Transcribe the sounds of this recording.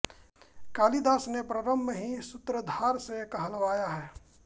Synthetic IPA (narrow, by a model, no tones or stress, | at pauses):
kaːlid̪aːsnepɾəɾəmːəɦisʊt̪ɾəd̪ʱaːɾsekɐɦəlʋaːjaɦɛː